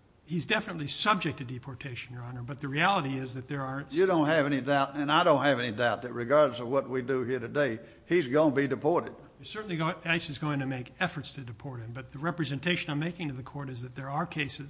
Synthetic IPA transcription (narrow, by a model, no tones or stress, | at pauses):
hizdɛfənətˡlisʌb̚d͡ʒɨk̚tʰɨdipʰɔɹtʰeɪʃɨ̃n̩jə˞ɑnə˞bʌt̪̚ðɨɹiælˠəɾiɪzðɨt̪̚ðə˞ːjɨdõʊ̃nt̚ɦɨvɛnidaʊɾɨ̃naɪdõʊ̃nt̚hɨvɛnidaʊt̪̚ðɨt̚ɹɨɡɑɹdlzʌvwʌt̚widɨhiɹɾɨdeɪ | izɡõnbidɨpʰɔɹɾɨd̥̚ | ɨsɜ˞ʔn̩liɡaɪsɨzɡoʊɪ̃ŋtʰɨmeɪkɛfə˞tstʰɨdɨpʰɔɹt̚hɨ̃mbʌt̪̚ðɨɹɛpɹɨzɨ̃ntʰeɪʃɨ̃nãɪ̃meɪkɪ̃ŋtʰɨðɨkʰɔɹɾɨzðɨt̪̚ðə˞ːkʰeɪsɨz